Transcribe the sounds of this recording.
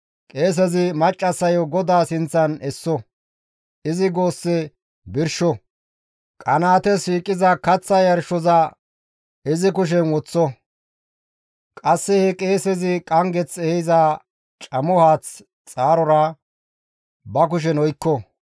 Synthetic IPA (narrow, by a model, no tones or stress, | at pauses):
kʼe̞ːs̬ɛzɪmɐt͡ʃʼːɐsɐjɔɡɔd̪aːsɪnt͡sːɐnɛsːɔ | ɪzɪɡo̞ːsːɛ | bɪɾʃɔ | kʼɐnaːt̪ɛsiːkʼːɪzɐkɐt͡sːɐjɐɾʃɔzɐ | ɪzɪkʊʃ̬ɛnwɔt͡sːɔ | kʼɐsːɛhɛkʼe̞ːsɛzɪkʼɐŋɡɛt͡sɛhza | t͡ʃʼɐmɔhaːt͡s | t͡sʼaːɾɔɾɐ | bɐk̬ʊʃ̬ɛnɔjkːɔ